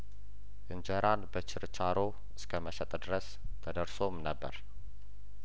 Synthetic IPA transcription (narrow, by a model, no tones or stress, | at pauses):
ʔɨɲd͡ʒəɾanbət͡ʃʰɪɾt͡ʃʰaɾo | ɨskʰəməʃət̪ʼd̪ɨɾəs | t̪ʰəd̪əɾsomnəbːə̰ɾ